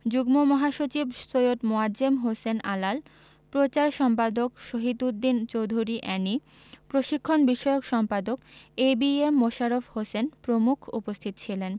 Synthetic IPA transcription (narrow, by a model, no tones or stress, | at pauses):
d͡ʑuɡmomɔɦaʃot͡ɕibsojot̪moad͡ʑemɦosena̰lal | pɾot͡ɕaɾʃɔmpad̪okʃoɦit̪ud̪ːint͡ɕowd̪ʱuɾiʔɛni | pɾoʃikʰːonbiʃɔeokʃɔmpad̪okebiemːoʃaɾofhosenpɾomukʰṵpost̪ʰit̪ot͡ɕʰilen